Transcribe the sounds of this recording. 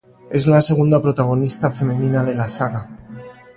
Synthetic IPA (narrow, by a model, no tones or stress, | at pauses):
e̞zlase̞ɣ̞und̪apɾot̪aɣ̞o̞nist̪afe̞meninaðe̞lasaɣa